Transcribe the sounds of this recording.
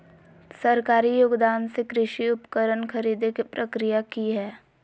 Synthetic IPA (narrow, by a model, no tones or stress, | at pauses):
səɾkaːɾijoːɡd̪aːnsekɾɪʃiʊpkəɾənkʰɐɾiːd̪ekipɾəkɾijakiɦɛː